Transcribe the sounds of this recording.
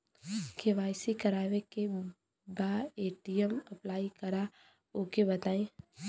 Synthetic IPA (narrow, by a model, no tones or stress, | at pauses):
keʋaːɪsikɐɾaːʋeke | baːeːʈijəmɐplaːikɐɾa | oːkebɐt̪aːẽː